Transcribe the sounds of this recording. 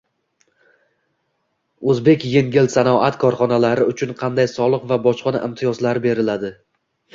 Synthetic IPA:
ɵzbe̞kʲje̞ŋɡʲɪlsanɒat̪kʰɒɾχɒnalaɾɪʊt͡ʃʰʊnqʰɑnd̪ajsɒlˠɨqvabɒʃqɒna̰ʔɪmt̪ʰɪjɒzlaɾɪbe̞ɾɪlad̪ɪ

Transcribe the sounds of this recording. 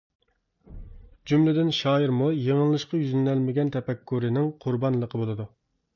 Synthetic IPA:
d͡ʒumlɪd̪ɪnʃɑːjiɾmujeŋəllːˠɨʃqɑjyzlɪnælmɪɡʲɛnt̪ʰɛpɛkʰːuɾɪnɪŋqʰuɾbɑnlˠəqʰəbolˠɨd̪u

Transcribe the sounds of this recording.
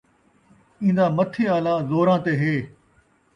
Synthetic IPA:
ĩːn̆d̪aːmət̪ʰiːaːlaːzoːɾãːt̪eːɦeː

